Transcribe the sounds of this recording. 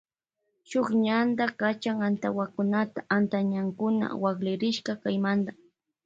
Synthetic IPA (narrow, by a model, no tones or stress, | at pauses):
ʃoχɲand̪akat͡ʃaŋant̪awakʊnat̪aʔant̪aɲaŋkʊna̰waklɪɾɪʃkɑkajmand̪a